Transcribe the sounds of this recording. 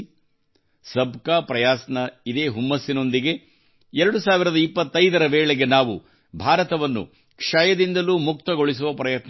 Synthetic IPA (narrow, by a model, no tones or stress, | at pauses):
sɐbkaːpɾɐjaːsɐnɐid̪eːɦumːɐsːino̞nd̪iɡe̞ | ɛɾɐɽusaːʋiɾɐd̪ɐipːɐt̪ːɐjd̪ɐɾɐʋeːɭeɡe̞naːʋu | bʱaːɾɐt̪ɐʋɐnːṵ | kʂaːjɐd̪ind̪ɐluːmuk̚t̪ɐɡoɭis̬uʋɐpɾɐjɐt̪n